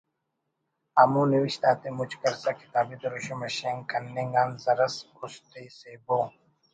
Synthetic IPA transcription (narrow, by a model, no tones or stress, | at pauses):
amuniwiɕt̪aːt̪emut͡ʃkɐɾsaki̥t̪aːbit̪oɾoɕomɐɕeŋkɐnːeŋɡaːnzɐɾɐskust̪esebo